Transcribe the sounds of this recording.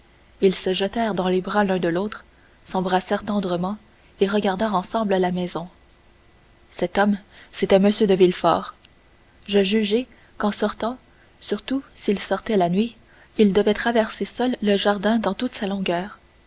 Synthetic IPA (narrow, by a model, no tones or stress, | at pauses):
ilsəʒət̪ɛːʁd̪ɑ̃lebʁalœ̃d̪əloːt̪χ | sɑ̃bʁasɛːʁt̪ɑ̃d̪ʁəmɑ̃ | eʁəɡaʁd̪ɛːʁɑ̃sɑ̃bləlamɛzɔ̃ | sɛt̪ɔmset̪ɛməsjød̪əvilfɔ̰ːʁ | ʒəʒyʒɛ | kɑ̃sɔʁt̪ɑ̃ | syʁt̪usilsɔʁt̪ɛlanɥi | ild̪əvɛt̪χavɛʁsesœlːəʒaʁd̪ɛ̃d̪ɑ̃t̪ut̪salɔ̃ɡœːʁ